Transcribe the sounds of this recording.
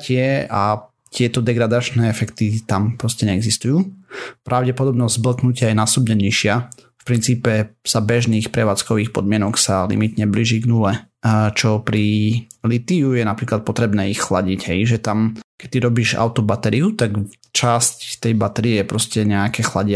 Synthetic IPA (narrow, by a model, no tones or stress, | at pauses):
cɪɛa | t̪ɪɛt̪ɔd̪ɛɡɾad̪at͡ʃnɛːɛfɛkt̪it̪ampɾɔscɛɲɛɛɡzist̪ujuːpɾʔaʊɟɛpɔd̪ɔbnɔzzbl̩knucɪajɛnasɔbɲɛɲiʃɪafpɾint͡siːpɛz̥abɛʒniːxpɾɛʋaːt͡skɔʋiːxpɔd̪̚mɪɛnɔksalḭmit̪ɲɛbliʒiɡnulɛt͡ʃɔpɾilit̪iujɛnapɾiːklat̪̚pɔt̪ɾɛbnɛːixxlaɟiɟɦɛjʒɛt̪amkɛ̥t̪ːiɾɔbiʒa̰ʊt̪ɔbat̪ɛɾiut̪ak | t͡ʃasct̪ːɛjbat̪ɛɾiɛpɾɔscɛɲɛakɛːxlaɟɪa